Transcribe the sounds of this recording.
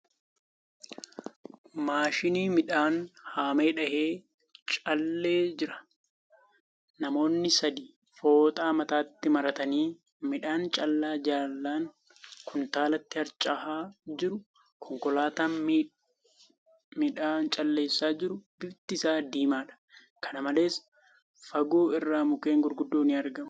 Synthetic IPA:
maːʃɪniːmɪᶑaːnhaːme̞ːᶑɐheː | t͡ʃʼɐlːeːd͡ʒɪɾɐ̥ | nɐmo̞ːnːɪsɐd̪iː | fo̞ːt̪ʼaːmɐt̪aːt̪ːɪmɐɾɐt̪ɐniː | mɪᶑaːnt͡ʃʼɐlːaːd͡ʒaːlːaːŋ | kʊnt̪aːlɐt̪ːɪhɐɾt͡ʃʼːɐhaːd͡ʒɪɾʊ | kʰɔŋkɔlaːt̪aː | mɪᶑaːnt͡ʃʼɐlːe̞ːsːaːd͡ʒɪɾʊbɪbt̪ɪsaːd̪iːmaːᶑɐ̥ | kʰɐnɐmɐle̞ːs | fɐɡoːɪrːaːmʊke̞ːŋɡʊɾɡʊd̪ːoːniːɐɾɡɐmʊ

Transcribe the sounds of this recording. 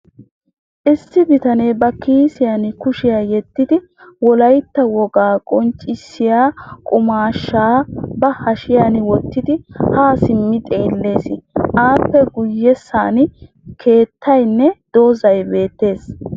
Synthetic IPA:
ʔɪsːɪbɪt̪ɐnebɐkiːsɪjanɪkʊʃɪjaːjɛt̪ːɪd̪ɪ | wɔlɐjt̪ːɐwɔɡaːkʼɔnt͡ʃʼːɪsːɪjaːkʼʊmaːʃːaːbɐhɐʃɪjanɪwɔt̪ːɪd̪ɪhaːsɪmːɪt̪ʼe̞ːlːe̞ːsɪʔaːpːɛɡʊjːɛsaːnɪ | kʰe̞ːt̪ʰːɐjnːɛd̪̥oːzɐjbe̞ːt̪ːe̞ːs

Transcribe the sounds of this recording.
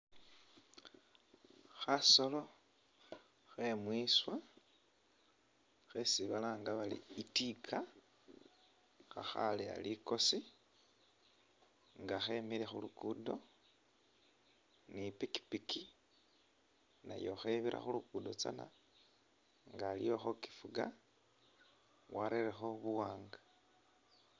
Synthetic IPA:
xaso̞lo̞ | xemwiswa | xesiβalaːŋɡaβalḭitikʰa | xa̰xa̰lia̰liko̞si | ŋɡaxe̞miɾexulukudo̞ | nipiki̥piki | na̰jo̞̰xeβiɾa̰xulukudo̞t͡sa̰na̰ | ŋɡaːlḭjo̞xo̞ki̥fuɡa | waɾerexo̞βuwaːŋɡa

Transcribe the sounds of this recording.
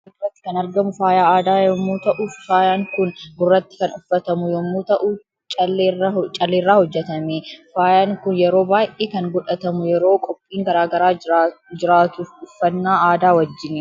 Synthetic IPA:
ɡʊrːɐt̪ːɪ̥kɐnɐɾɡɐmʊfaːjaːaːd̪aːjɔmːuːt̪ɐʔʊfaːjaːŋkʊnɡʊrːɐt̪ːɪ̥kɐnʊfːɐt̪ɐmʊjɔmːuːt̪ɐʔʊ | t͡ʃʼɐlːt͡ʃʼɐlːeːrːaːhɔd͡ʒːɛt̪ɐmefaːjaːŋkʊnjɛɾo̞ːbaːʔeːkɐŋɡɔᶑɐt̪ɐmʊjɛɾoːkʼɔpʼːiːŋɡɐɾaːɡɐɾaːd͡ʒɪɾaːt̪ʊfʊfːɐnːaːaːd̪aːwɐd͡ʒːɪnɛ

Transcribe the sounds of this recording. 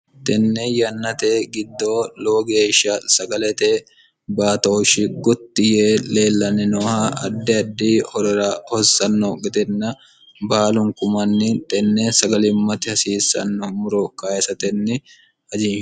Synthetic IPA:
t̪ʼɛnːɛjɐnːɐt̪eːɡɪd̪ːoːlo̞ːɡeːʃːɐsɐɡɐlɛt̪ɛ | baːt̪ɐɔʃɪɡɔt̪ːɪjele̞ːlːɐnɛnɔhɐʔɐd̪ːɛɐd̪ːiːhɔɾɔɾɐhɔsːɐnːɔɡɛt̪ɛnːɐ | baːlʊŋkʊmɐnːɪt̪ʼɛnːɛsɐɡɐlɪmːɐt̪ɪhɐsiːsːɐ̰nːɔmʊɾɔkajɛsɐt̪ɛnːɪ | ɐd͡ʒɪ

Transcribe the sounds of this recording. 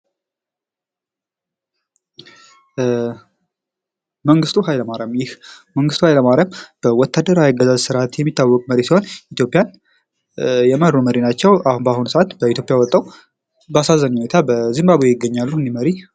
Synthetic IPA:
məŋɡɨst̪ʰuɦajləmaɾəmjɪhməŋɡɨst̪ʰuhajləmaɾəmb̥əwɔt̪ʰːad̪əɾajaɡːəzazsɨɾʔat̪jɛmːit̪ʰːawːɔkʼməɾesiho̞nit̪jo̞pʼːjan | jɛmərːuməɾinat͡ʃːɛwʔabahunsəʔat̪bəit̪ʰjo̞pʼjawɔt̪ʼːaw | bəasazəɲhunet̪ʰabəzɨmbaβojjɪɡːəɲːalːuɨnd̪iməɾi

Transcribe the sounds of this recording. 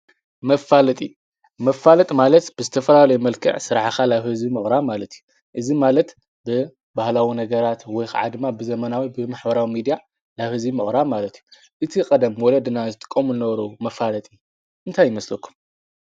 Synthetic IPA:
mɐfalɐt̪ʼḭju | mɐfalɐt̪ʼmalɐt̪b̥ɨzɨt̪ʰɐfɐlalɐjumɐlkʰɨ̰ʕsɨɾħxalaβhɨzbimɨχʼɾamalɐt̪iju | ʔɨzimalɐt̪ | bɨ | bahlawinɐɡɐɾat̪wɔjxʰa̰ʕa̰d̪ɨmːabɨzɐmɐnawibɨmaħbɐɾawimid̪ija | laβhɨzbimɨχʼɾamalɐt̪iju | ʔɨt̪ʰikʼɐd̪ɐmwɔlɐd̪ɨnazɨt̪ʼɨ̥kʼːomulɨnɐβɐɾɐmɐfalɐt̪ʼijːu | ʔɨnt̪ʰajːɪmɐslɐkʰːu̥m

